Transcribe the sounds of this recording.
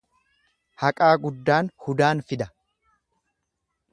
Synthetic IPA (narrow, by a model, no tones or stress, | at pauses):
hɐkʼaːɡʊd̪ːaːnhʊd̪aːnfɪd̪ɐ̥